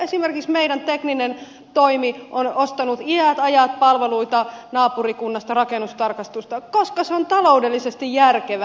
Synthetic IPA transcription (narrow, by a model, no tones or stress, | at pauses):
esimerkiksmeiɾænt̪ekninen | t̪oimiʔonost̪ɑnut̪iæt̪ɑjɑt̪̚pɑlʋeluit̪ɑnɑːpurikunːɑst̪ɑrɑkenːust̪ɑrkɑst̪ust̪ɑkoskɑseont̪ɑloudelːisest̪ijjærkeʋæ